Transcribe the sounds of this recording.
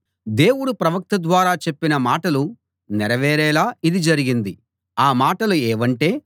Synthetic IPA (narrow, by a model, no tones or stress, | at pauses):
d̪e̞ːwuɽupɾɐʋɐk̚t̪ɐd̪ʋaːɾaːt͡ʃe̞pːinɐmaːʈɐlu | nɛɾɐʋɛːɾɛːlaːid̪id͡ʒɐɾiɡind̪i | aːmaːʈɐluɛːʋɐɳʈe̞ː